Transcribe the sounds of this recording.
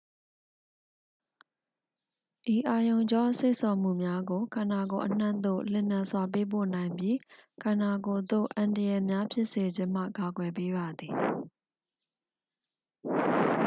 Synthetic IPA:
ʔi˨ʔa˨jõ˨ʊ̃ɲd͡ʑɔ˦se˦ɪʔsɔ˨m̥ṵ˦˨mja˦ɡo˨kʰã˨na˨ɡo˨ʔən̥ã̰˦˨nd̪o̰˦˨l̥ɪ̰̃˦˨mjã˨swa˨p̬e˦p̬o̰˦˨nã˨ɪ̃mbji˦kʰã˨na˨ɡo˨d̪o̰˦˨ʔã˨ndə˨jɛ˨mja˦pʰjɪ˦ʔse˨d͡ʑɪ̃˦m̥ä̰˦˨ka˨ɡwɛ˨p̬e˦ba˨d̪ði˨

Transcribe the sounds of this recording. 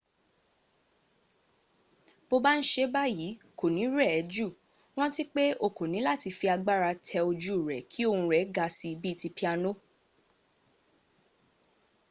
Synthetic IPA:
bo˧ba˦ñ̩˦ʃe˧˦ba˦ji˨˦ | ko˨nĩ˨˦ɾɛ˦˨ɛ˨˦d͡ʒu˦˨ | w̃ɔ̃˦ti˦k͡pe˦o˦˨ko˨nĩ˨˦la˦˨ti˧fi˧a˧ɡ͡ba˦ɾa˧tʰɛ˧o˧d͡ʒu˦˨ɾɛ˨kʰi˨˦o˦˧ũ˧ɾɛ˨˦ɡa˧si˧bi˦˧ti˧pi˦a˧no˦

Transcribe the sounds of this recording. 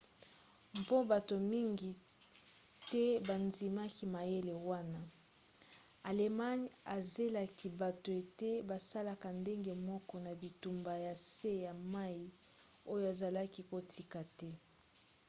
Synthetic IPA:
mpo˦ba˨to˨mi˦ŋɡi˨ | tɛ˦ba˨ndi˨ma˦ki˦ma˨je˦le˨wa˦na˦ | a˨le˨ma˦ɲa˨ze˦la˨ki˨ba˨to˨e˨te˦ba˨sa˦la˦˨ka˨nde˦ŋɡe˨mɔ˦kɔ˦na˨bi˨tu˨mba˨ja˨se˦ja˨ma˦i˨ | o˦jo˦a˨za˨la˦ki˦ko˨tʰi˦ka˨tɛ˦

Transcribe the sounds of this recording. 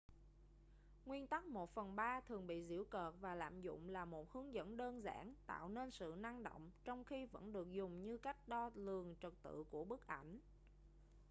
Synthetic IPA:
ŋwi˧ənt̪a˦˥k̚mo˨˩t̚fə˨˩nɓaː˧t̪ʰɨ˨˩əŋɓḭ˧˨zḭ˧˩əwkəː˨˩t̚vaː˨˩la̰ː˧˨mzʊ̰˧˨ŋ͡mlaː˨˩mo˨˩t̚hɨ˨˦əŋzə̰˧˥nɗəː˧nza̰ː˧˥nt̪a̰ː˧˨wne˧nsɨ̰˧˨na˧ŋɗo̰˧˨wŋ͡mt͡ɕɔ˧wŋ͡mxi˧və̰˧˥nɗɨ˨˩ək̚zʊ˨˩ŋ͡mɲɨ˧ka˦˥jk̟̚ɗɔ˧lɨ˨˩əŋt͡ɕə˨˩k̚t̪ɨ̰˧˨ku˧˩əɓɨ˦˥k̚ʔa˧˩jŋ̟

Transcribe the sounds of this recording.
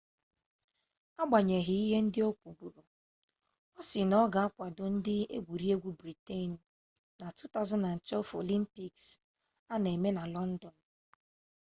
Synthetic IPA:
a˦ɡ͡ba˨ɲe˨ɦɪ˨i˦ɦe˦n̩˦dɪ˦o˦kʷu˨bu˨ɾo˨ | ɔ˦sɪ˨nɔ˦ɡa˨a˦kʷa˨dʊ˨n̩˦dɪ˦ḛ˦ɡʷu˨ɾi˦e˦ɡʷu˨bɾi˨te˦˨n̩˨ | na˨tu˦ta˦ʊ˦zɔ˦na˨n̩˨t͡ʃɛ˦lfo̰˨li˦m̩˦pi˨ks | a˦ne˨me˦na˨lɔ˦n̩˦dɔ˨n̩˨

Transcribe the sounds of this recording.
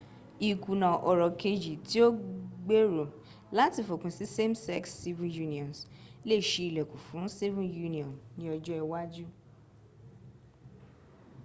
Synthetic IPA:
i˨ku˨nã˨ʔɔ˨ɾɔ˨ke˧d͡ʒi˨ti˦o˦ɡ͡be˦ɾo˨ | la˦ti˦˨fo˨kũ˨si˨˦se˦msɛ˦ksːi˦vĩ˦ju˦nĩ˨ɔ̃˨nsle˦˨ʃe˧i˨lɛ˨kũ˨fũ˨˦si˦vũ˦ju˦nĩ˨ɔ̃˨nnĩ˨˦ɔ˧d͡ʒɔ˦ɛ˧wa˦d͡ʒu˦

